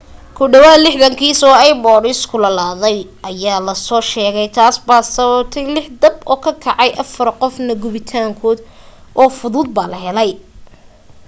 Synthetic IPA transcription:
kʰʊɖɐwɐlɪħðɐŋkʰiːsɔːɛjbɔːɾɪskʰʊlɐlaːðɛjʔɐjaːlɐsɔːʃɛːɣɛjt̪ʰaːsbaːsɐβɐb̚t̪ʰɛjlɪħd̪ɐbɔːkʰɐkʰɑʕɑjʔɐfɐrqɔfnɐɡʊβɪt̪ʰaːŋkʰɔːd̪ | ʔɔːfʊðʊːd̪̚baːlɐɦɛlɛj

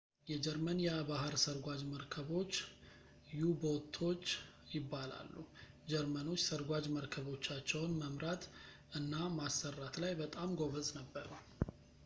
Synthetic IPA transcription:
jɛd͡ʒɛɾmənjabaɦəɾsəɾɡʷad͡ʒməɾkʰəβo̞t͡ʃː | jubo̞t̪ʰo̞t͡ʃː | jɪbːala̰lːu | d͡ʒɛɾməno̞t͡ʃːsəɾɡʷad͡ʒməɾkʰəβo̞t͡ʃːat͡ʃːɛwnməmɾat̪ | ʔɨnːamasːərːat̪lajbət̪ʼamɡo̞βəzʼnəbːəɾə̰w

